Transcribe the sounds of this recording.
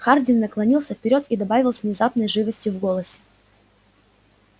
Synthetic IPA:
xardʲɪnnəklˠɐnʲilˠsʲəfpʲɪɾʲo̞t̪id̪ɐbavʲɪlˠsʲvnʲɪzapnəjʐɨvəsʲtʲjʊvɡo̞lˠəsʲɪ̥

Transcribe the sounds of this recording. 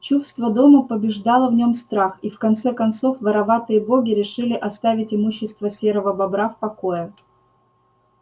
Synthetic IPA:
t͡ɕusst̪vəd̪o̞məpəbʲɪʐd̪ɑlˠəvnʲo̞mst̪ɾaxifkɐnt̪sɛkɐnt̪so̞fvəɾɐvat̪ɨjəbo̞ɡʲɪɾʲɪʂɨlʲɪʔɐst̪avʲɪtʲɪmuɕːɪst̪vəsʲeɾəvəbɐbɾafpɐko̞jə

